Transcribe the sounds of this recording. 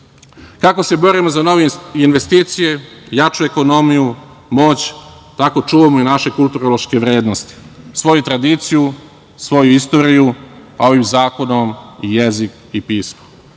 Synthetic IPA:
kako̞se̞bo̞ɾimozano̞ʋeinʋe̞st̪iːt̪sije̞jat͡ʃue̞ko̞no̞miju | mo̞ːt͡ɕt̪ako̞t͡ʂuːʋamoinaʃe̞kulˠt̪uɾolˠoʃke̞ʋɾe̞ːd̪nost̪i̥sʋo̞jut̪ɾad̪iːt̪siju | sʋo̞juist̪o̞ːɾijuao̞ʋimzaːko̞nomijezik | ipiːsmo̥

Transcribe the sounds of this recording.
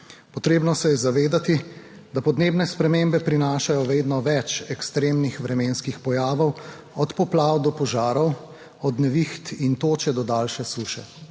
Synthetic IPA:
pɔt̪ɾeːbnɔsɛjɛzaʋeːd̪at̪i | d̪apɔd̪neːbnɛspɾɛmembɛpɾinaːʃajɔʋeːd̪nɔʋɛt͡ʃɛkst̪ɾeːmnixʋɾɛmeːnskixpɔjaːʋɔw | ɔt̪pɔplaːwd̪ɔpɔʒaːɾɔw | ɔd̪nɛʋixt̪int̪oːt͡ʃɛd̪ɔd̪aːlʃɛsuːʃɛ

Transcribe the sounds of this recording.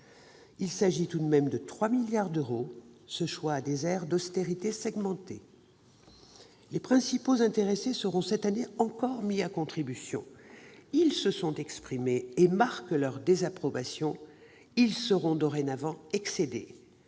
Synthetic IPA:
ilsaʒit̪ud̪mɛmd̪ət̪χwamiljaʁd̪øʁosəʃwaːd̪ezɛʁd̪ɔst̪eʁit̪esɛɡmɑ̃t̪ḛ | lepχɛ̃sipozɛ̃t̪eʁesesəʁɔ̃sɛt̪aneɑ̃kɔʁmiakɔ̃t̪χibysjɔ̰̃ilsəsɔ̃t̪ɛkspχimeːmaʁklœʁd̪ezapχɔbasjɔ̃ | ilsəʁɔ̃d̪ɔʁenavɑ̃ɛksed̪ḛ

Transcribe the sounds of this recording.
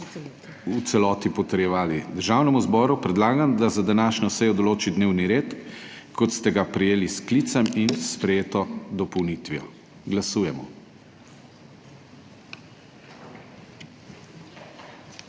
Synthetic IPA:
ut̪sɛlɔːt̪ipɔt̪əɾjɛʋaːlid̪əɾʒaːwnɛmuzbɔːɾupɾɛd̪laːɡamd̪azad̪anaːʃɲɔsɛjɔd̪ɔloːt͡ʃid̪neːwniɾeːt̪ | kʰɔt̪st̪ɛɡapɾɛjeːliskliːt̪saminspɾɛjeːt̪ɔd̪ɔpɔwnit̪ʋijɔ̰ | ɡlasuːjɛmɔ

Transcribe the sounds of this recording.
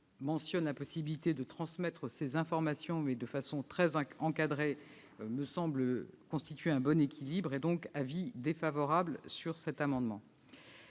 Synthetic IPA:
mɑ̃sjɔnlapɔsibilit̪ed̪ət̪χɑ̃smɛt̪χəsezɛ̃fɔʁmasjɔ̃mɛd̪əfasɔ̃t̪χɛzɑ̃kad̪ʁe | məsɑ̃bləkɔ̃st̪it̪ɥeɛ̃bɔnekʲʰilibʁed̪ɔ̃kavid̪efavɔʁablsyʁsɛt̪amɑ̃d̪mɑ̰̃

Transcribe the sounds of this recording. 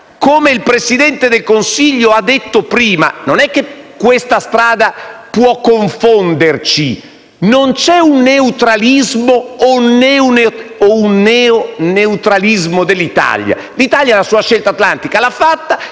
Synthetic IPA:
komeilpɾesid̪ɛnt̪ed̪elkonsiʎːoad̪ːet̪ːopɾiːma̰nonɛkːekːwest̪ast̪ɾaːd̪apwɔkːoɱfond̪ert͡ʃi | nont͡ʃɛunːeut̪ɾalizmoːnɛouneounːɛoneut̪ɾalizmod̪elːit̪a̰lja̰ | lit̪aljalasuːaʃelt̪at̪lant̪ikalafːat̪ːa

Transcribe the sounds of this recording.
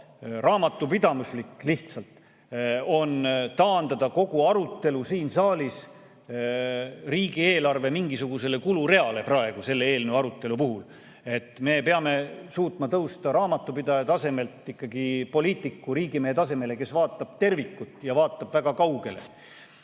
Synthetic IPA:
rʔɑːmɑt̪ˑːupid̪̥ɑmuslikːˑliht̪sɑlt̪ | o̞nt̪ɑːnd̪ɑd̪̥ɑko̞ɡ̥uɑɾut̪ːe̞lusiːnsɑːlis | riːɡ̥ie̞ːlɑrve̞miŋɡisuɡ̥use̞le̞kuluɾe̞ɑle̞prɑe̞ɡ̥use̞lːeeːlnuɑɾut̪ːˑe̞lupuɦul | e̞t̪ːˑme̞pe̞ɑme̞suːt̪ˑmɑt̪ɤwst̪ɑɾɑːmɑt̪ːˑupid̪ɑjɑt̪ɑse̞me̞lt̪ːikːɑɡipo̞liːt̪ˑːikːuɾiːɡimehet̪ɑse̞me̞le̞ke̞svɑːt̪ːˑɑb̥̚t̪e̞rvikːˑut̪ːˑjɑvɑːt̪ːˑɑb̥væɡ̥ɑkɑwɡ̥e̞̰lḛ

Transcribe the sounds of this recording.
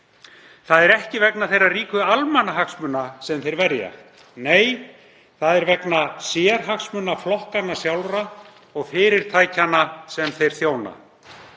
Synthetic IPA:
θaðɛɾɛhcɪvɛknaθejrːariːkʏalmanːaɦaksmʏnːasɛmθejɾvɛɾja̰ | neːj | θaðɛɾvɛknasjɛɾ̥ɦaksmʏnaflɔhkanːasjawlra | ɔɣfɪːɾɪɾ̥t̪ʰaːjcanːasɛmθejɾ̥θjoːwna̰

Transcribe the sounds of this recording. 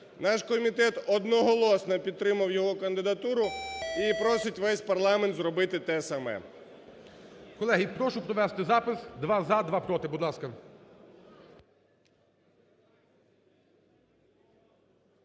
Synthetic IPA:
nɑʃkɔmʲit̪ɛt̪ɔd̪nɔɦɔlˠɔsnɐpʲid̪̚t̪ɾɪmɐwjɔɦɔkɐnd̪ɪd̪ɐt̪uɾʊipɾɔsʲɪtʲʋɛsʲpɐrlˠɑment̪zɾɔbɪt̪ɪt̪ɛsɐmɛ̰ | kɔlˠɛɦipɾɔʃʊpɾɔʋɛst̪ɪzɑpɪsd̪ʋɑzɑd̪ʋɑpɾɔt̪ɪbud̪lˠɑskɐ

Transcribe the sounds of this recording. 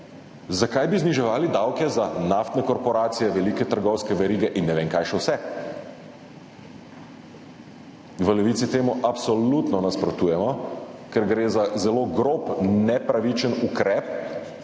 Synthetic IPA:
zakajbizniʒɛʋaːlid̪awkɛzanaft̪nɛkɔɾpɔɾaːt̪sijɛʋɛlikɛt̪əɾɡɔwskɛʋɛɾiːɡɛʔinːɛʋeːŋkajʃɛwsɛ | ɡʋəlɛʋit̪sit̪eːmuʔapsɔlut̪nɔnaspɾɔt̪uːjɛmɔkɛɾɡɾeːzazɛloːɡɾoːpnɛpɾaʋit͡ʃənukɾɛːp

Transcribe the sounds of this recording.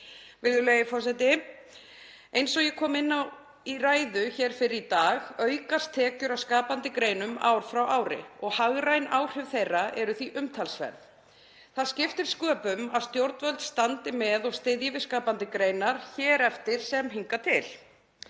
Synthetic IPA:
vɪɾðʏlejɪfɔrsɛt̪ɪ | ejnsɔɣjɛkʰɔːmɪnːaw | iraːjðʏçɛːɾ̥fɪɾɪɾit̪aːɣœɥkast̪ʰɛːcʏɾawskaːpant̪ɪkɾeːjnʏma̰ːwɾ̥fɾawʔaːwɾɪ̰ɔɣhaɣɾajnawr̥ʏvθejrːaʔɛɾʏθiʔʏmt̪ʰalsvɛ̰ɾð | θaðscɪft̪ɪɾ̥skœːpʏmaðst̪jowɾt̪vœlt̪st̪ant̪ɪmɛðɔɣst̪ɪðjɪvɪ̥skaːpant̪ɪkɾejnaɾ̥çɛːɾɛft̪ɪɾ̥sɛmɦiŋkat̪ʰɪl

